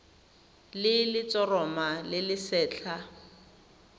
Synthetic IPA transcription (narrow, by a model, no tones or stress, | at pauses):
lɪlɪt͡sʼɔrɔmalɪlɪsɛːt͡ɬʰa